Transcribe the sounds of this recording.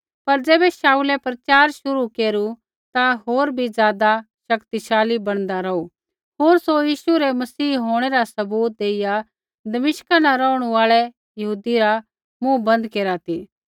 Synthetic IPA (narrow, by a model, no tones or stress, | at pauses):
pɐɾd͡zeːbɛʃaːuːlɛpɾɐt͡ʃaːɾʃʊɾukeːɾu | t̪aɦoːɾbʱizjaːd̪a | ʃɐkt̪iʃaːlibɐɽ̃d̪aɾɐu | ɦoːɾsojiːʃuɾɛmɐsiːɦoːɽ̃ɛɾasɐbuːt̪̚d̪eːɪja | d̪ɐmɪʃkanaɾɔːʊɽ̃uaːɭɛ | jɐɦuːd̪iɾa | mũbɐ̃nd̪keːɾat̪ʰiː